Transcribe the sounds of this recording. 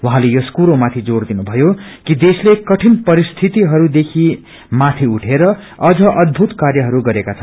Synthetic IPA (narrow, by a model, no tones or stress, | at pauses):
waɦãlejoskuɾomat̪ʰid͡zoɽd̪inubʱʌjokid̪eslekʌʈʰinpʌɾist̪ʰit̪iɦʌɾud̪ekʰi | mat̪ʰiuʈʰeɾʌ | ʌd͡zʌʔʌd̪̚bʱut̪karjʌɦʌɾuɡʌɾekat͡sʰʌn